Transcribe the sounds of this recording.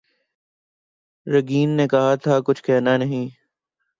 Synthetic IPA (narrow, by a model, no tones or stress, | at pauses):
ɾəɡiːnːeːkɐɦat̪ʰaːkʊt͡ʃʰkɛːɦnaːnəɦĩː